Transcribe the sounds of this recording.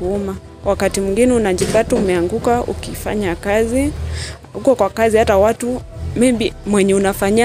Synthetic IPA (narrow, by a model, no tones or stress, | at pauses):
uuma | kwakatimiŋɡinɛunaɲd͡ʒikatuumɛaŋɡukaṵkifa̰ɲakazi | hukɔkwakazihatawatumiɓimwɛɲɛunafaɲa